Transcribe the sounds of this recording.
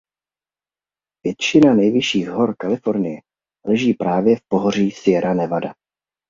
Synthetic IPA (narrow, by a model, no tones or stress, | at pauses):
vjɛt̪t͡ʃɪnanɛjvɪʃiːɣɦoɾkalɪfo̞ɾnɪjɛ | lɛʒiːpɾaːvjɛfpo̞ɦor̝iːsɪjɛɾʔanɛvada